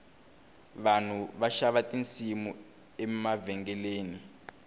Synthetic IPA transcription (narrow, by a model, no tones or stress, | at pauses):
βan̤uβaʃaβatʼint͡simu | ɛmavɛŋɡɛleːni